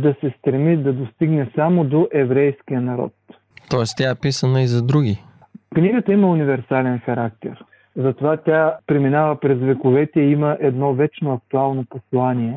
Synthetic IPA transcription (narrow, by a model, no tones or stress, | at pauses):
d̪ɐsɛst̪ɾɛmid̪ɐd̪ost̪iɡnɛsamod̪oʔɛvɾɛjskijənɐɾɔ̰t̪ | t̪ɔɛst̪ʲaɛpisənəizɐd̪ɾuɡʲi | kniɡət̪əiməunivɛɾsalɛnxɐɾak̚t̪ɛɾ | zɐt̪ovat̪ʲapɾiminavəpɾɛzvɛkʊvɛt̪ɛiməʔɛd̪nɔvɛt͡ʃnoɐk̚t̪ualˠnoposlˠaniɛ